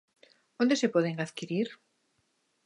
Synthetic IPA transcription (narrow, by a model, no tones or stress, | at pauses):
ond̪esepoðeŋaðkiɾiɾ